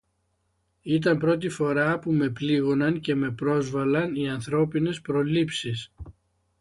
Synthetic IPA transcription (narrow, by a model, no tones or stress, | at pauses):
it̪ɐmpɾo̞t̪̬ifo̞ɾɐpume̞pliɣo̞nɐŋce̞me̞pɾo̞zvɐlɐniɐnθɾo̞pine̞spɾo̞lipsis